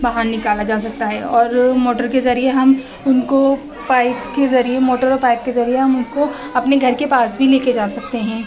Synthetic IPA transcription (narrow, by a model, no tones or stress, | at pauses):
baɦaːnnɪkaːlad͡ʒaːs̬ɐk̚t̪aɦɛɔːɾmoːʈəɾkezɐɾieɦɐm | ʊnko | paːɪpkezɐɾiemoːʈəɾɔːɾpaːɪp̚kezɐɾieɦɐmʊnko | ɐpneɡʱɐɾkepaːsbʱileːked͡ʒaːsɐk̚t̪eɦɛ̃ː